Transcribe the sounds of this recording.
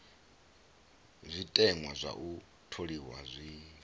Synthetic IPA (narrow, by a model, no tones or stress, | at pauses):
zʷitʼɛŋwazʷa̰ʔu | tʰoɺiwa̰zʷi